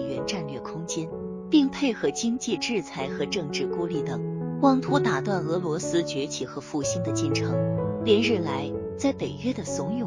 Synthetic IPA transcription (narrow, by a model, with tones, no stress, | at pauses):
ɥɛ˧˥nʈ͡ʂa˥˧nlɥɛ˥˩kʰʊ˥ŋt͡ɕjɛ˥n | pi˥˧ŋpʰe˥˩ɪxɤ˧˥t͡ɕi˥ŋt͡ɕi˥˧ʈ͡ʂɻ̩˥˩t͡sʰa˧˥ɪxɤ˧˥ʈ͡ʂɤ˥˧ŋʈ͡ʂɻ̩˥˩ku˥li˥˩t̪ə˨˩ŋkwɑ˥ŋt̪ʰu˥t̪a˨˩t̪wa˥˩nɤ˧˥lwɔ˧˥sɹ̩˥t͡ɕɥɛ˧˥t͡ɕʰi˨˩xɤ˧˥fu˥˩ɕi˥nd̪ə˨t͡ɕi˥˩nʈ͡ʂʰɤ˧˥ŋljɛ˧˥nɻɻ̩˥˩la˧˥ɪt͡sa˥˩ɪpe˨˩ɪɥɛ˥d̪ə˨sʊ˧˥ŋjʊ˨˩